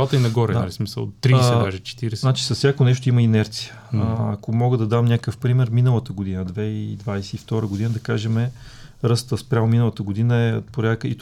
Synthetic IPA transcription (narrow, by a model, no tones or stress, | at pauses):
t̪əinɐɡɔɾɛd̪aɐlismisə̰lˠːɾisɛd̪aʒɛt͡ʃɛ̥t̪iɾɛsznat͡ʃi̥sɐsːʲjakonɛʃ̬t̪oʊiməinɛɾt̪sijə̥ | ɐkomɔɡəd̪ɐd̪amnʲakəfpɾimɛɾminəlˠət̪əɡod̪inəd̪vɛid̪vajsɛift̪ɔɾəɡod̪inəd̪ɐkaʒɛmɛ | ɾɤst̪əspɾʲjamominəlˠət̪əɡod̪inəɛ̰t̪poɾʲakəit̪